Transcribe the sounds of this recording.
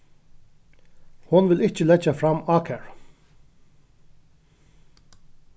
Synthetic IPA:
hʊnʋɪlɪt͡ʃəlɛd͡ʒafɾɑmɑːkʰæɹ

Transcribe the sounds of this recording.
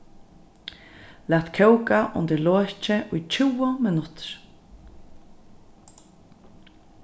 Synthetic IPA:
læːt̪kʰɛwkaʔʊ̰nt̪ɪloːt͡ʃɪʔʊjt͡ʃʰɪwɔmɪnʊt̪ɹ̥

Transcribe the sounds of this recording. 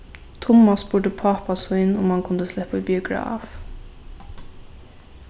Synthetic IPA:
t̪ʰʊmːasbʊɹd̪əpʰapasujnʊmhankʰʊnd̪əslɛhpʊbiʊɡɹa̰ːf

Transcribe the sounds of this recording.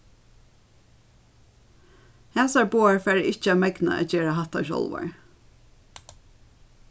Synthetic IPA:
hɛːsaɹbuːaɹfæːɹɪht͡ʃəæmɛkna̰æ̰t͡ʃeːɹaɦaht̪aʃɔ̰lʋa̰ɹ

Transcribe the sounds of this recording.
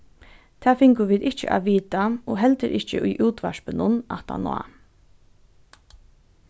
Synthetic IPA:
t̪ʰæːfɪŋkʊʋiːd̪ɪht͡ʃə̰ʔa̰ːʋiːt̪aoːɦɛlt̪əɾʔɪht͡ʃəʔʊjʔuːt̪ʋaʃpənʊna̰t̪a̰na̰ː

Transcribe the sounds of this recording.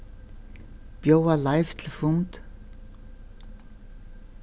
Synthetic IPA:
b̥jowalaɪft̪ʰɪlfʊnt̪

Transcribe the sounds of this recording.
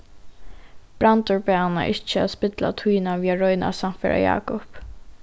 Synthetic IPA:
b̥ɾant̪ɔɹpɛanːa̰ʔɪt͡ʃːəaðspɪt̪la̰t̪ʰujnaʋiːaɹɔjna̰sam̥t̪fɛɹʔa̰jɑ̰ːkʊp

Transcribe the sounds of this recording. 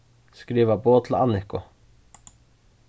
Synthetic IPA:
skɾiːʋəboːt̪ʰl̩ɑ̰nɪkʊ

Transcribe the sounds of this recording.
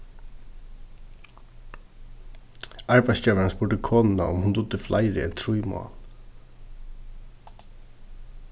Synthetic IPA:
aɹpajscœːʋaɾanspʊɹʈ̪ɪkʰɔːnɪna̰ʔʊ̰mhʊnd̪ʊt̪ːɪfla̰jɾɪ̰ɛ̰nt̪ʰɾujmɔ̰a̰l

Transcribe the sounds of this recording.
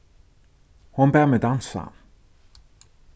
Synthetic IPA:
hʊnbæːmɛd̪ansa̰

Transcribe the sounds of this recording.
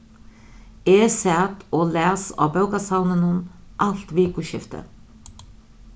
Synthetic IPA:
ɛːsɛt̪ɔːlɛːsa̰ːpœwkasawnɪnənʔal̥t̪viːkʊɕɪft̪ə̰

